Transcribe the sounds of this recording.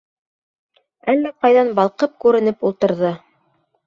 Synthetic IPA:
ælːæqɑjðɑnbɑlˠqɤp̚kʉɾɘ̆nɘpulˠt̪ɤ̆ɾðɤ

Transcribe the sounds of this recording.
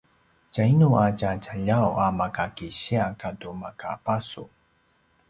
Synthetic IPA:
cainuacat͡ɕaʎawamakakiɕiakadumaka̰pasṵ

